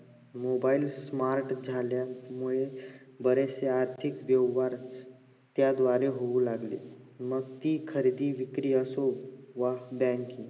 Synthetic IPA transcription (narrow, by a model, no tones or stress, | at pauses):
moːbaːɪilsmaːɾʈd͡ʒʱaːljamʊɦe | bəɾeseaːɾt̪ʰɪkʋjəwɦaːɾ | t̪jad̪ʋaːɾeɦoulaːɡlḭ | mək̚t̪ikʰəɾiːd̪iʋɪkɾiəsoʋabɛ̃ːŋkĩ